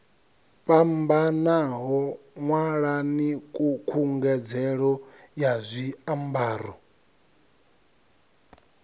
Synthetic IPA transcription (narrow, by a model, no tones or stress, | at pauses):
pʼambanaɦɔ | ŋwaɺanikʼukʰuŋɡɛd͡zɛɺɔjazʷiambaːɾɔ